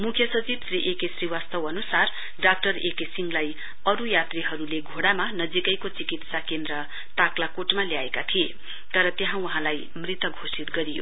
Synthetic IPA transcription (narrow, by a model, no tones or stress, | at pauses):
mukʰjʌsʌt͡sibsriʔekesriwast̪ʌwʌnusar | ɖak̚ʈʌɾekesiŋɡlaj | ʌɾujat̪riɦʌɾuleɡʱoɽamanʌd͡zikʌjkot͡sikit̪sakend̪ɾʌ | t̪aklakoʈmaljaekat̪ʰie | t̪ʌɾʌt̪jeɦãwʌɦãlaj | mrit̪ʌɡʱosit̪ɡʌɾijo̰